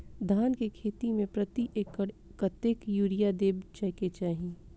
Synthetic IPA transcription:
d̪ʱaːnkekʰeːt̪imẽpɾɐt̪iʔekkɐt̪ekjuːɾijad̪eːbt͡ʃɛket͡ʃaːɦĩ

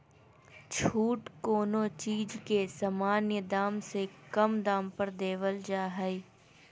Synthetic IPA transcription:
t͡ʃʰuːʈkoːnõt͡ʃiːd͡ʒkesamaːnjəd̪aːmsekɐmd̪aːmpəɾd̪eːʋəld͡ʒaːɦəi

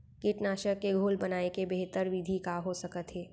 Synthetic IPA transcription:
kɪʈnaːʃəkːeɡʱoːlbɐnaːekebeɦt̪əɾʋɪd̪ʱikaɦosɐkət̪ɦeː

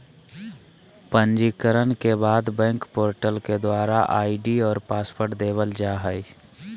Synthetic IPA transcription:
pənd͡ʒikəɾənkebaːd̪bɛ̃ːŋkpoːɾʈəlked̪waːɾaʔa̰ːiɖiɔːɾpaːspʰəɾʈd̪eːʋəld͡ʒaːɦəi

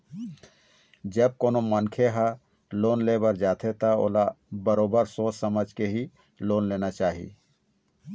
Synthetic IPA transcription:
d͡ʒəb̚koːnomənkʰeɦa | loːnleːbəɾd͡ʒaːt̪ʰet̪ao̰ːlabəɾoːbəɾsoːt͡ʃsəməd͡ʒkeɦi | loːnleːnat͡ʃaːɦḭ

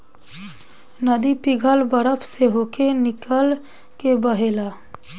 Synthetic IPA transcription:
nəd̪ipɪɡʱəlbəɾəpʰseɦoːkenɪkəl | kebəɦeːlaː

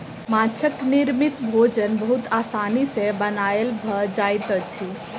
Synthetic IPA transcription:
mãt͡ʃʰəknɪɾmit̪bʱoːd͡ʒənbəɦut̪aːsaːnisebənaːelbʱəd͡ʒaːjt̪ət͡ʃʰi

